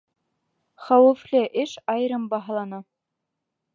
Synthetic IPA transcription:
χɑwɤ̆flʲeʔɘʃɑjɾɤ̆mbɑɦɑlˠɑnɑ

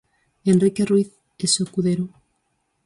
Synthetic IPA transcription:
enrrike̞rwiθ | esokuðeɾo

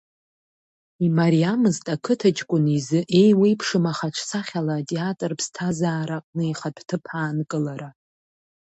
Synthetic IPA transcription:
imaɾiamɨztʼakʰɨtʰat͡ʃʼkʷʼʊnizɨʔe̞jwijpʰʂɨmaχaʈ͡ʂʷʰsʰaχʲalatʼeatʼrpʰstʰazaːɾaqʼnɨiχadʰtʰɨpʰaːnkʼɨlaɾa

